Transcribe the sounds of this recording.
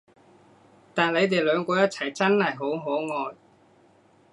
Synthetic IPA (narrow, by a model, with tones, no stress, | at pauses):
t̪aː˨nle˨˧jt̪̬e˨jlœː˨˧ŋkɔː˧jɐ˥t̚t͡sʰɐ˨˩jt͡sɐ˥nhɐ˨jɦo˨˥wɦo˨˥wŋɔː˨˧j